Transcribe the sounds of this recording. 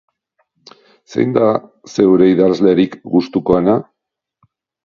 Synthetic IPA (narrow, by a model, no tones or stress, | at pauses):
se̞̰jnd̪a | se̞wɾe̞iðazle̞ɾikɡust̪uko̞ena